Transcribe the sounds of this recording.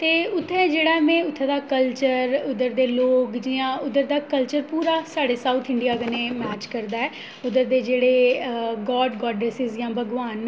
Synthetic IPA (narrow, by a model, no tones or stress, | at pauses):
t̪eːʊt̪ʰːɛd͡ʒeːɽaːɛmɛ̃ːʊt̪ʰːed̪aːkəlt͡ʃəɾʊd̪əɾd̪eːloːkd͡ʒiãːʊd̪əɾd̪aːkəlt͡ʃəɾpuːɾaːsaːɽeːsaːut̪ʰɪɳɖijaːɡənẽːmɛːt͡ʃkəɾd̪aːɛː | ʊd̪əɾd̪eːd͡ʒeːɽeːɡɔːɖɡɔːɖɾesɪzjãːbʱəɡʋaːn